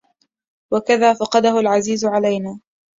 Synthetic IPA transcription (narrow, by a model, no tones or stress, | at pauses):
wakaðaːfɑqɑd̪ahʊlʕaziːzʕalajnaː